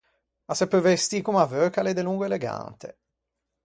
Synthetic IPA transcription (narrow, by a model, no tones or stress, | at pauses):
asɛpːəɾvest̪ikumavøɾkaled̪eluŋɡoeleɡa̰nt̪ʰḛ